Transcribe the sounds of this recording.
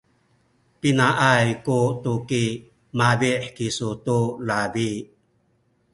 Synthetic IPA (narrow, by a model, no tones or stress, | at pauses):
pinaʔajkutuki | maviħkisutulavi